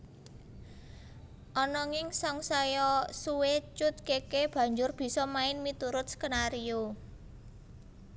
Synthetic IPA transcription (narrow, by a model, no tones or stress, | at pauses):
ʔɔnɔŋɪŋsɔŋsajɔsuwet͡ʃʊt̪̚kekeb̥ä̤ɲd͡ʒʊrb̥i̤sɔmaɪnmit̪uɾʊt̪̚skənaɾio